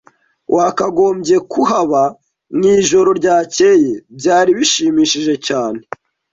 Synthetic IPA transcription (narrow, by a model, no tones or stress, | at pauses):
wʔakaɡo̞ːmɟe̞kuɦaβa | ŋiːʒo̞ɾo̞ɾɟaːce̞ːje̞bɟaːɾiβiʃiːmiːʃiʒe̞caːne̞